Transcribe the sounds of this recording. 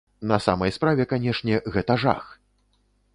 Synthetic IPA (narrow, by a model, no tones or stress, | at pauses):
nɐsa̰mɐjspɾavʲɛkanʲɛʂnʲɛɣɛt̪aʐa̰x